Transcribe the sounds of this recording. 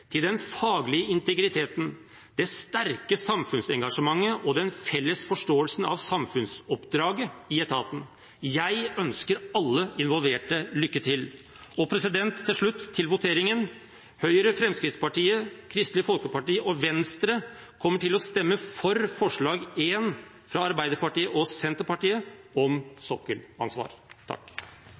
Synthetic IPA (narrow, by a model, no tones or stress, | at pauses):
t̪ʰɪld̪ɛnfɑːɡlɪəɪnt̪əɡɾɪt̪ʰeːt̪n̩ | d̪̥ɛst̪æɾkəsɑmfʉnsɛŋɡɑʂəmɑŋːəʔɔd̪ɛnfɛlːəsfɔʂʈoːəlsn̩ɑ̰ʋsɑmfʉnsɔpd̪ɾɑːɡəɪɛt̪ʰɑːt̪ən | jæɪœnskəɾɑlːəɪnʋɔlʋeːʈəlʏkːət̪ʰɪl | ɔpʰɾɛsɪd̪ɛnt̪ʰːɪlʂɭʉt̪ʰːɪlʋʊt̪ʰeːɾɪŋən | hœʏɾəfɾɛmskɾɪt̪spɑʈiːəkʰɾɪst̪lɪfɔlkəpɑʈiːəʔɔʋɛnst̪ɾə | kʰɔmːəʈʰɪlɔst̪ɛmːəfɔɾfɔʂɭɑːɡen | fɾɑɑɾbæɪd̪əɾpɑʈiːəʔɔsɛnt̪əɾpɑʈiːəɔmsɔkːəlɑ̰nsʋɑ̰ːɾt̪ʰɑ̰kː